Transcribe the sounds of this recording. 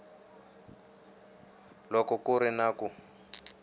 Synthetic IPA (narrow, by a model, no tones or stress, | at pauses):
lɔkɔkuɾinaːku